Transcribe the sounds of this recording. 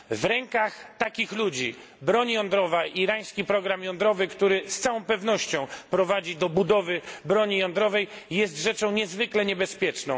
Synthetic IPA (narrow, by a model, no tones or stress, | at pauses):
vɾɛŋkaxt̪akʲixlud͡ʑi | bɾɔɲjɔnd̪ɾɔvaʔiɾaj̃skʲipɾɔɡɾamjɔ̃nd̪ɾɔvɘkt̪uɾɘst̪sawɔ̃w̃pɛvn̪ɔɕt͡ɕɔ̃w̃pɾɔvad͡ʑid̪ɔbud̪ɔvɘbɾɔɲijɔnd̪ɾɔvɛj | jɛst̪ʐɛt͡ʂɔ̃w̃ɲɛzvɘklɛɲɛbɛspʲjɛt͡ʂnɔ̃w̃